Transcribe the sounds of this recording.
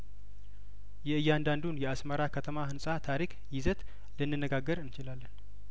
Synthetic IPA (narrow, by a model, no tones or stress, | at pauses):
jɛɨjːand̪and̪unjɛasməɾakʰət̪ʰəmahɨnsʼat̪ʰaɾik | jɪzət̪ | lənːɨnːəɡaɡːəɾɨnt͡ʃɪlalːən